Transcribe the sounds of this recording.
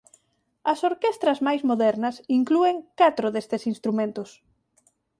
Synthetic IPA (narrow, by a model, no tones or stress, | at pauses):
ɐsoɾkest̪ɾɐzmajzmoðɛɾnɐsiŋklueŋkat̪ɾʊðest̪ɪsinst̪ɾumẽnt̪ʊs